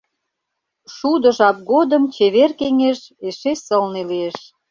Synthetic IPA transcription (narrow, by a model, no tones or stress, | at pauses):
ʃud̪ə̆ʒɑp̚ɡod̪əmt͡ɕeβerkeŋeʃeʃesəlnelieʃ